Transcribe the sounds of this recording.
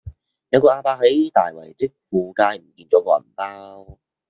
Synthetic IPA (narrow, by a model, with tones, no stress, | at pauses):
jɐ˨˧wkɔː˧ʔaː˧paː˧ɦɐ˨˥jt̪a̰ː˨˩jwɐ˨˩jt͡sɪ˥k̚fuː˨˧kaː˧jm̩˨˩kiː˧nt͡sɔː˨˥kɔː˧˨˩paː˥w